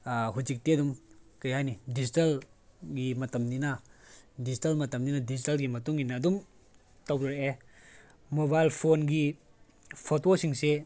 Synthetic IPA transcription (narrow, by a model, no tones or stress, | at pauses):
ɦuzik̚tedumkɐjɦajnidizitɐlɡimɐtɐmninɐdizitɐlmɐtɐmninɐdid͡ʒitɐlɡimɐtuŋinɐːdum | tɐwɾiɾeʔe | mobajlpʰonɡi | pʰotosiŋse